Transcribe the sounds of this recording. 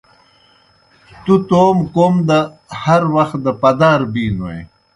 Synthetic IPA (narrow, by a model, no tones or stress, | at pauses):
t̪ut̪oːmkoːmd̪a | hɐɾwɐxt̪̚d̪əpɐd̪aːɾbiːnoḛ̃